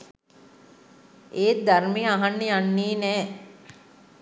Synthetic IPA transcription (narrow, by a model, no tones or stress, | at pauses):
eːt̪̚d̪aɾmejəaɦanːejanːiːnɛː